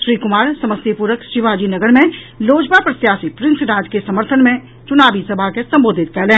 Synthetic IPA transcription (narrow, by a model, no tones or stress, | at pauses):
ʃɾiːkʊmaːɾsɐməsipuːɾəkʃɪʋaːd͡ʒinɐɡəɾmẽ | loːd͡ʒbapɾɐt̪jaːsipɾɪ̃nsɾãːd͡ʒkesɐməɾt̪ʰənmẽ | t͡ʃʊnaːʋisɐbʱakesɐ̃mboːd̪ʱɪt̪̚kɐɾlẽː